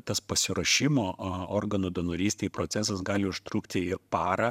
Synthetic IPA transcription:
t̪ɐspɐsʲɪɾɐʃʲɪmoːoːrɡɐnoːd̪onoːɾʲiːst̪ʲeːjpɾoːt̪ʲæsɐsɡɑːlʲɪʊʃt̪ɾuːkt̪ʲɪɪpɑːɾɐ

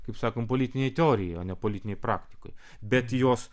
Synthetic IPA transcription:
kɐɪpsɑːkoːmpoːlʲiːt̪ʲɪnʲjɛɪt̪ʲɛoːɾʲɪjɛjoːnʲɛpolʲiːt̪ʲɪnʲɛɪpɾɑ̰ːkt̪ʲɪ̥ko̰j | bʲɛt̪joːs

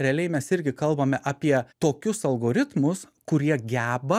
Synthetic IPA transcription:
ɾʲɛɐlʲɛɪmʲɛsɪɾʲɡʲɪkɐlˠbɐmʲɛʔɐpʲiɛt̪oːkʲʊsɐlˠɡoːɾʲɪt̪mʊs | kʊɾʲiɛɡʲæːbɐ

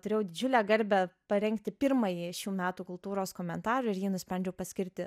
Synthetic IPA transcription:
t̪ʊɾʲeːjɛʊd̪ʲɪd͡ʒʲʊlʲæːɡɐɾʲbʲæpɐɾʲɛŋkt̪ʲɪpʲɪɾmɐjiʃʲuːmʲæːt̪uːkʊlˠt̪uːɾoːskoːmʲɛnt̪ɑːɾɐɪɾjiːnʊsʲpʲɾʲɛnʲd͡ʒʲɛʊpɐsʲkʲɪɾʲt̪ʲɪ

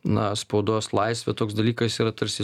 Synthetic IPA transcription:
nɐspɐʊd̪oːslˠɐɪsʲʋʲɛt̪oːksd̪ɐlʲiːkɐsiːɾɐt̪ɐɾʲsʲɪ

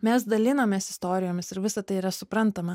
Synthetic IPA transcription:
mʲɛs̬d̪ɐlʲɪnɐmʲeːsɪst̪oːɾʲɪjoːmʲɪsɪɾʋʲɪsɐt̪ɐɪiɾɐsʊpɾɐnt̪ɐmɐ

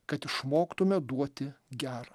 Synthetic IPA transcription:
kɐt̪ɪʃmoːkt̪ʊmʲɛd̪uɔt̪ʲɪɡʲæːɾɐ

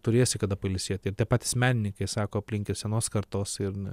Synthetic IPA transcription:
t̪ʊɾʲeːsʲɪkɐd̪ɐpɐlʲɪsʲiɛt̪ʲɪɾt̪ʲiɛpɑːt̪ʲɪ̥smʲæːnʲɪnʲɪŋkɐɪsɑːkoːɐpʲlʲɪŋʲkʲɪsʲɛnoːskɐɾt̪oːsɪɾ

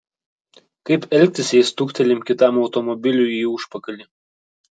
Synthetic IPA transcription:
kɐɪpɛlʲk̚ʲt̪ʲɪsʲɪst̪ʊkʲt̪ʲɛlʲɪmkʲɪt̪ɑˑmɒʊt̪ɔmɔbʲɪlʲujiːuʃpɐkɐlʲɪ

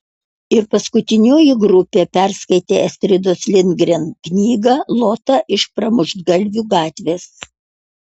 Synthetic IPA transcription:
ɪɾpɐskʊt̪ʲɪnʲoːjɪɡɾʊpʲeːpʲɛɾskɐɪt̪ʲeːɛsʲt̪ʲɾʲɪd̪oːslʲɪnʲɡɾʲenknʲiːɡɐlˠoːt̪ɐʔɪʃpɾɐmʊʒd̪ɡɐlʲʋʲuːɡɑːt̪ʲʋʲeːs

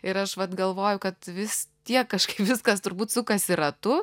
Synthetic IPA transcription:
ɪɾɐʃʋɐt̪ɡɐlˠʋoːjʊkɐt̪ʋʲɪst̪ʲiɛkːɐʃkɐɪpʋʲɪskɐst̪ʊɾbuːt̪sʊkɐsiɾɐt̪ʊ

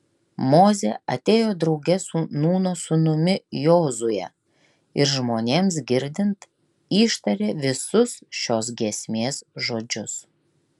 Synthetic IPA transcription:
moːzʲeːʔɐ̰t̪ʲeːjoːd̪ɾɒʊɡʲɛsʊnuːnoːsʊnʊmʲɪjoːzʊjɛ̰ | ɪɾʒmoːnʲeːms̬ɡʲɪɾʲd̪ʲɪnt̪ | iːʃt̪ɐɾʲeːʋʲɪsʊsʃʲoːs̬ɡʲiɛsʲmʲeːsʒoːd͡ʒʲʊs

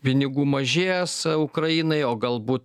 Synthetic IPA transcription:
pʲɪnʲɪɡuːmɐʒʲeːjɛsʊkɾɐiːnɐɪoːɡɐlˠbuːt̪

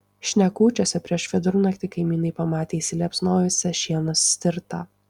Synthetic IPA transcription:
ʃʲnʲɛkuːt͡ʃʲoːsʲɛpʲɾʲiɛʃʋʲɛd̪ʊɾʊnɐkt̪ʲɪkɐɪmʲiːnɐɪpɐmɑːt̪ʲeːisʲɪlʲɛpsnoːjʲoːsʲɛʃʲiɛnosːʲt̪ʲɪɾt̪ɑ̰ː

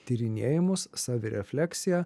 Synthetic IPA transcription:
t̪ʲiːɾʲɪnʲḛːjɪmʊsːɑːʋʲɪɾʲɛ̰fʲlʲɛksʲɪjæ

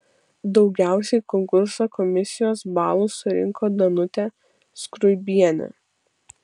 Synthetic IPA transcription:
d̪ɒʊɡʲæˑʊsʲɛɪkɔŋkʊɾsoːkɔmʲɪsʲɪjoːsbɑːlˠuːsʊɾʲɪ̰ŋkoːd̪ɐnʊt̪ʲæ | skɾʊɪbʲiɛnʲɛ̰

